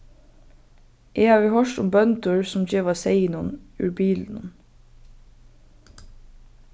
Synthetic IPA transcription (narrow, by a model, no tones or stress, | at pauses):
ʔeːhɑːʋiːhœʃʈʊmbœnd̪əɹsʊmd͡ʒeːʋɑseɪnɔnʉ̰ːbiːln̩ʊ̰n